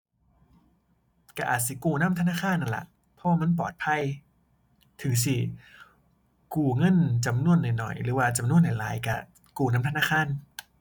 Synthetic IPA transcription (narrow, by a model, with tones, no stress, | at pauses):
ka˧˩ʔa̰ː˨˩t̪̚si˧˩kuː˧˩na˧˥˨mt̪ʰa˧naː˥˨kʰaː˧˥˨nʔːa˧˨nlɛ̰˧˩ʔ | pʰɔ˦waː˧ma˧˥˨np̬ɔ̰ː˨˩t̪̚pʰa˧˥˨j | t̪ʰɯ˨˦s̬i˧˩ | kuː˧˩ŋɤ˧˥˨nt͡ɕa˧mnu˧˩ənːa˨˩jnɔ̰˨˩jɾɯː˨˦waː˧˩t͡ɕa˧mnu˧˥˩ənːa˨˩jla̰ː˨˦jka˧˩ | kuː˧˩naː˧˥˨mt̪ʰnaː˧˥˩kʰaː˧˥˨n